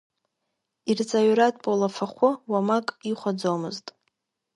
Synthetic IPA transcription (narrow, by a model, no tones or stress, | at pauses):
irt͡sʼaɥɾatʰʼbʼolafʰaχʷʊwamakʼiχʷad͡zowmɨztʼ